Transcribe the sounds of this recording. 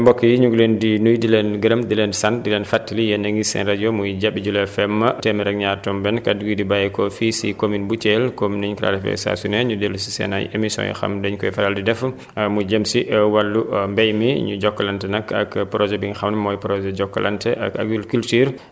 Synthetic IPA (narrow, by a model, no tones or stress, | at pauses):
mbɔkːijiɲuɡlɛndinujdilɛnɡəɾɐmdilɛnsandilɛnfatːilijɛnaŋɡisɛ̰nɾad͡ʒɔmujd͡ʒabːid͡ʒulɛfɛmːɐtɛmɛɾɛk̚ɲaːɾtɔmbɛnkaduɡidibajɛkɔfisikominbut͡ʃɛlkomnɛɲkla̰ɾifɛ̰sa̰sɔnɛɲudelusi̥sɛ̰na̰jemisɔ̰̃jḭxa̰mdɛɲkɔjfaɾaldidɛf | mud͡ʒemsiʔwalːumbɛjmiɲud͡ʒɔkːalantɛnaka̰kpɾɔd͡ʒɛbiŋxamnɛmɔjpɾɔd͡ʒɛd͡ʒɔkːɔla̰ntɛʔa̰ka̰ɡulkultyːɾ